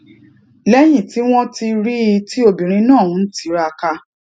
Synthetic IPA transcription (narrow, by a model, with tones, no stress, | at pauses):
lɛ˦j̃ĩ˦˨ti˨˦w̃ɔ̃˦ti˧ɾi˦i˧˦ti˦o˧bĩ˨ɾ̃ĩ˧nãː˦˨ũ˨˦n̩˦ti˦ɾa˧ka˧